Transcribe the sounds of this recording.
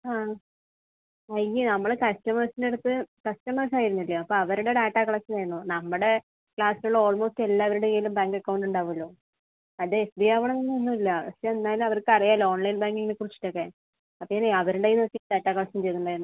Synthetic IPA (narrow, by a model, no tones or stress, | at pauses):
aː | ɐjinɐmːɐɭkɐstɐmɐrsinde̞ɽut̪ːɨkɐstɐmɐrs̬aːjiɾunːilːɐːpːoɐʋɐɾuɽe̞ɖaːʈːaːkɐɭasɐnajɾɐnːonɐmːuɽe̞ | kɭaːsiluɭːo̞ːlmo̞ːste̞lːaːʋɐɾuɽeilumbaːŋkɐkːɐwɳɖuɳɖaːʋuɐlːoː | ɐðɨesbiaʋɐɳɐnɐnːɐnːuilːɐpɐseenːaːjlumɐʋɐrkɨɐrijaːlo̞ːɳlɐjnbaːŋɡiŋːinekurit͡ɕːi̥ʈːo̞kːe | ɐpːoŋːineɐʋɐɾuɳɖejinɨɐkːeɖaːʈːaːkɐɭasɐmt͡ɕejt̪ːuɳɖaːjiɾnːu